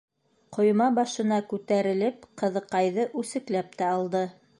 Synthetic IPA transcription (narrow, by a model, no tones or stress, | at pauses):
qŏjmɑbɑʃɤ̆nɑkʉt̪æɾɘ̆lɘpqɤ̆ðɤ̆qɑjðɤʔʉsɘ̆klæp̚t̪æɑlˠd̪ɤ